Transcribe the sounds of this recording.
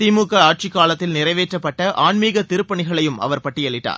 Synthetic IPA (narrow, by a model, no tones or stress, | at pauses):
simuːkːɐaːʈ̚t͡ʃɪkːaːɭɐt̪ːɪlnɪrɐɪʋeːʈrɐpːɐʈːɐʔaːɳmiːɣɐt̪ɪɾɯpːɐɳɪɣɐɭɐjɯmɐ̰ʋɐɾpɐʈːɪɛɭːɪʈːa̰ːɾ